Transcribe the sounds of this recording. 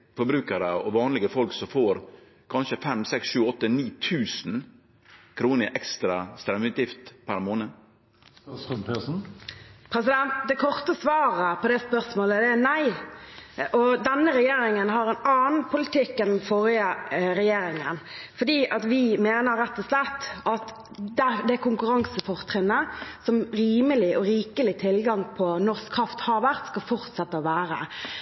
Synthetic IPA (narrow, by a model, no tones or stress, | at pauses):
fɔɾbɾʉːkəɾəɔʋɑːnlɪɡəfɔlksɔfoːɾ | kʰɑnʃəfɛmsɛksʃʉːɔt̪ːəniːt̪ʰʉːsn̩ | kʰɾuːnəɪʔɛkst̪ɾɑst̪ɾɛmʉt̪jɪft̪pʰæɾmoːnə | pʰɛsn̩pʰɾɛs̬ɪd̪ɛnt̪̚d̪ɛkʰɔʁt̪əsʋɑːʁəpʰɔd̪ɛspœʁsmoːləd̪ɛnæɪ | ʔɔd̪ɛnːəɾɛjeːɾɪŋənɦɑɾɛnɑːnn̩pʰʊlɪt̪ɪkːɛnn̩foːɾɪəɾɛjeːɾɪŋə̰nfɔd̪iːʔɑt̪ʋɪmeːnəɾːɛt̪ːɔslɛt̪ːɑt̪ | d̪æd̪ɛækʊŋkʉɾɑŋsəfɔʁt̪ʰʁɪnːəsɔmɾiːməlɪʔɔɾiːkəlɪt̪ʰɪlɡɑŋpʰɔnɔʁskʰɾʁɑft̪hɑɾʋæʁt̪skɑlfɔʁt̪sɛt̪ːəɔʋæːɾə̰